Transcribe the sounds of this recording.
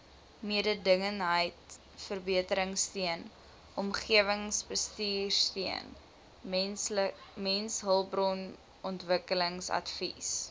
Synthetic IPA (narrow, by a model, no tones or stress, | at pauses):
miədədəŋənɦəjt | fərbiətəɾəŋstiən | ʔɔmχiəvəŋsbəstiːrstiən | mɛnsɦəlˠbrɔn | ʔɔntvəkələŋsɐ̰tfis